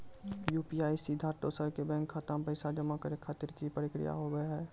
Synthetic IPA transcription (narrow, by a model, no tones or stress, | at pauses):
juːpiaːisid̪ʱaːʈoːsəɾkebɛ̃ːŋkʰːat̪ampəɪsad͡ʒəmakəɾekʰaːt̪ɪɾkipəɾɪkɾɪ̰ja̰ɦoɡəeɦɛː